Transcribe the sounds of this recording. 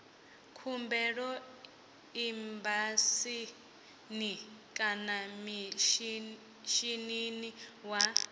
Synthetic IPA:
kʰumbɛɺɔ | imbasi | nikʼanamiʃ | ʃininiwa

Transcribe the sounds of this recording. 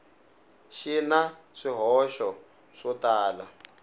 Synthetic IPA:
ʃinaʂiɦɔʃɔ | ʂɔtaːla

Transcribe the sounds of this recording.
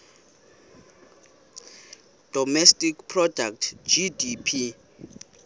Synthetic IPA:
d̥ʱɔmɛstʼikpʰrɔdak̚tʰd͡ʒidipʰi

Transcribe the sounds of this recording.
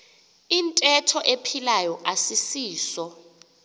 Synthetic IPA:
intʼɛtʰɔʔepʰilajɔʔasisiːsɔ

